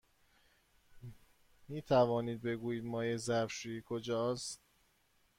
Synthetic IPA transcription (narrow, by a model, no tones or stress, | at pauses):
miːt̪ʰævɒːniːd̪̚be̞ɡuːjiːd̪mɒːjezæɾfʃuːikʰod͡ʒɒːs